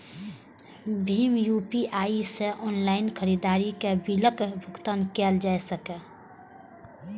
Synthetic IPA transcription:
bʱiːmjupiʔaːiseʔɔːnlaːɪnkʰəɾid̪aːɾikebiləkbʱʊkt̪ankeld͡ʒaːɛsəkɛ

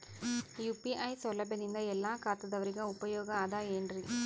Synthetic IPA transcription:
juːpiʔɐjsɔlɐbʱjɐnind̪ɐɛlːaːkaːt̪ɐd̪ɐʋɐɾiɡɐupɐjɔːɡɐaːd̪aːeːɳɾi

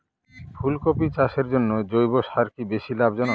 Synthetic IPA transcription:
fʰulkopit͡ɕaʃeɾd͡ʑonːod͡ʑojboʃaɾkibeʃilabd͡ʑɔno

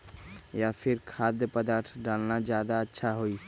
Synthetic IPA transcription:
japʰiɾkʰad̪jəpəd̪aɾt̪ʰɖalnad͡ʒad̪aətːʃʰaɦoi

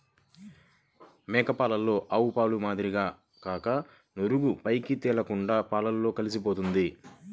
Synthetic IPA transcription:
mɛːkɐpaːlɐlːo̞ːʔɐwupaːlumaːd̪iɾiɡaː | kaːkɐ | noɾuɡupɐjkit̪ɛːlɐkuɳɖaːpaːlɐlːo̞ːkɐlis̬ipo̞ːt̪und̪i

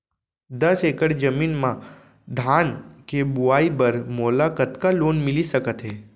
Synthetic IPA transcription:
d̪əsekəɽd͡ʒəminmã | d̪ʱankebuaibəɾmolakət̪kalonmɪlisəkət̪ɦe

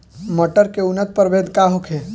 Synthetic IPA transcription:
məʈəɾkeunət̪̚pəɾbʱed̪kaɦokʰe

